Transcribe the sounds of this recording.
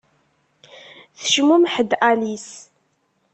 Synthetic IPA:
θə̥ʃmumħəd̪ʔalis

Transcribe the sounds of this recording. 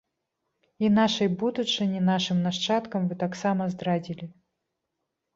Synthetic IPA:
inaʂɨjbud̪ut͡ʂɨnʲinaʂɨmnaʂt͡ʂat̪kɐmvɨt̪aksamɐzd̪ɾadʲilʲi

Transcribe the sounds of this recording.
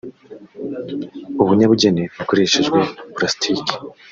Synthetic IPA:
uβuɲaβuɟe̞neβuko̞ɾeʃeʒɡwe̞plastʰiki̥

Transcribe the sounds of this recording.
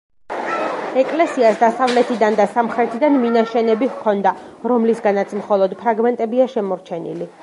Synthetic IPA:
ɛkʼlɛsiasd̪asavlɛt̪ʰid̪and̪asamχɾɛt̪ʰid̪anminaʃɛnɛbihkʰɔnd̪aɾɔmlisɡanat̪sʰmχɔlˠɔd̪pʰɾaɡmɛnt̪ʼɛbiaʃɛmɔɾt͡ʃʰɛnḭli

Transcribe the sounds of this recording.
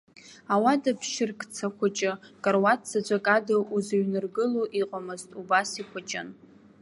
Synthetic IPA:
awadapʰʃɪrkʰʼt͡sʰakʷat͡ʃʼɪkʼarwatt͡sad͡ʒʷʼakʼadɨuzaɥnɨrɡɨloʔiqʼamɨztʼubasikʷʰat͡ʃʼɪ̰n

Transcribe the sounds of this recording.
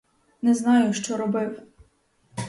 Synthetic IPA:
nɛznɑjʊʃt͡ʃɔɾɔbɪw

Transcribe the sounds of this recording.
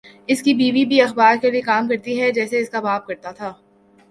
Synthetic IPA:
ɪskibiːʋibʱiɐxbaːɾkeliekaːmkɐɾt̪iɦɛd͡ʒɛːseɪskabaːp̚kɐɾt̪at̪ʰaː

